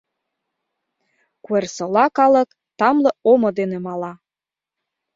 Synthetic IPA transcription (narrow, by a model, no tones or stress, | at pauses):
kuersɤ̆lɑkɑlɤ̆k | t̪ɑmlɤ̆omŏd̪enĕmɑlɑ